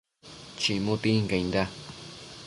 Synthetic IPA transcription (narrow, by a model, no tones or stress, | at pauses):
t͡ʃĩmũt̪iŋkaĩnd̪a